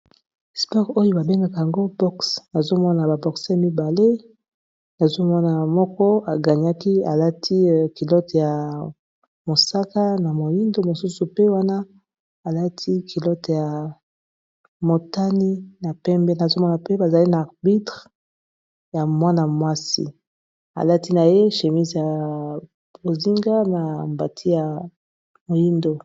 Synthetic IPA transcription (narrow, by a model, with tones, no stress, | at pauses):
spɔ˦ʁo˦jo˦ba˨be˦ŋɡa˦ka˨a˨ŋɡo˦bɔ˦ksna˨zo˦mɔ˦na˨ba˨bɔ˨kse˦˨mi˦ba˨le˦ | na˨zo˦mɔ˦na˨mɔ˦kɔ˦a˨ɡa˨ɲ˦a˦ki˦a˨la˦tʰi˦ki˨lɔ˦tja˨ | mo˨sa˦ka˦na˨mo˨li˦ndo˦mo˨su˦su˨pe˦wa˦na˦ | a˨la˦tʰi˦kʰi˨lɔ˦tja˨ | mo˨ta˦ni˦na˨pɛ˦mbɛ˦na˨zo˦mɔ˦na˨pe˦ba˨za˨li˦naː˨ʁbi˦tʁ | ja˨mwa˦na˨mwa˦sḭ˨ | a̰˨la˦ti˦na˨je˦ʃe˨mi˦zja˨ | bo˨zi˦ŋɡa˦na˨mba˨tʰi˦ja˨ | mo˨ji˦ndo˦